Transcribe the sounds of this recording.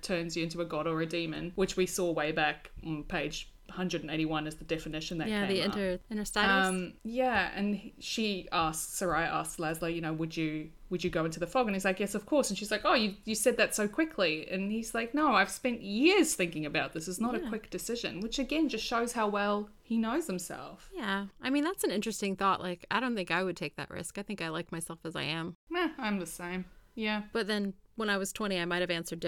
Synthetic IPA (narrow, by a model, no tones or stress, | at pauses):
tʰɜ̃˞nzjɨɪ̃ntʉɨɡɑɾə˞ɨdĩmɨ̰̃nwɨt͡ʃwisɔweɪbækn̩pʰeɪ̥d͡ʒ̥hʌ̃ndɹɨɾn̩eɪɾiwʌ̃nɨzðɨdɛfɨnɪʃɨ̃n̩ðɨtkeɪðiɪ̃ə˞ɪ̃nə˞steʌ̃mjæɨ̰̃nʃiæsksə˞aɪʔæ̰sklæzləjɨñoʊwɨd͡ʒɨ | wɨd͡ʒɨɡoʊɪ̃ntʉðɨfɔɡɨ̃nizlaɪkjɛsʌv̥kʰɔɹsn̩ʃizlaɪkoʊjɨjɨ̥sɛd̪̚ðɨtsoʊkʰw̥ɪkʰliɨ̰̃niz̥laɪk̚noʊaɪv̥spɛ̃nʔjɪɹz̥θɪ̃ŋkɪ̃ŋɨbaʊt̪̚ðɪsɨznəɾɨkw̥ɪk̚d̥ɨsɪʒɨ̰̃nwət͡ʃɨɡɛ̃nd͡ʒʌstʃoʊz̥haʊwɛlˠ | hinoʊz̥hɨ̃m̩sɛ̰lˠfjæaɪmĩnðætsnɪ̃nt͡ʃɹ̥ɨstɪ̃ŋθɔʔlʔaɪkaɪɾõʊ̃nθɪ̃ŋkaɪwɨd̚tʰeɪk̚ðɨ̰ʔɹɪ̰skaɪθɪ̃ŋkaɪlaɪk̚maɪsɛlˠfəza̰ɪɨ̃mæãɪ̃mðɨsẽɪ̃mjæb̥ʌt̪̚ðɨ̃nwə̃ñaɪwʌz̥tʰw̥ɛ̃ɾ̃iaɪmaɪɾ̚ɨvæ̃nsə˞d̚